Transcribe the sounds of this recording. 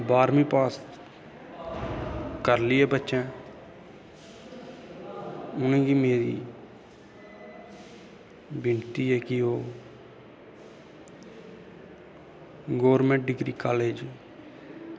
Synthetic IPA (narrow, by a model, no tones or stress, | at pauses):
baːɾmĩːpaːs | kəɾlɪːɛːbətːʃɛ̃ː | ʊnẽːɡiːmeːɾḭː | bɪnt̪iːɛːkɪoː | ɡoːʋəɾmẽːɳʈ̚ɖɪɡɾiːkaːleːd͡ʒ